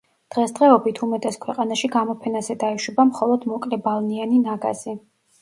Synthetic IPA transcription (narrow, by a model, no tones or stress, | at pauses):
d̪̥ʁɛsd̪ʁɛɔbit̪ʰumɛt̪ʼɛskʰwɛqʼanaʃiɡamɔpʰɛnazɛd̪aiʃwɛbamχɔlˠɔd̪mɔkʼlɛbalˠnianinaɡa̰z̥i